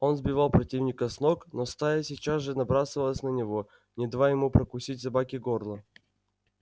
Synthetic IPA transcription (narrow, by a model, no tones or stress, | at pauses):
o̞nzbʲɪvalˠpɾɐtʲivnʲɪkəsnoknost̪ajəsʲɪt͡ɕazʐɨnɐbɾasɨvəlˠəsʲnənʲɪvo | nʲɪd̪vajɪmupɾəkʊsʲitʲsɐbakʲɪɡorlˠə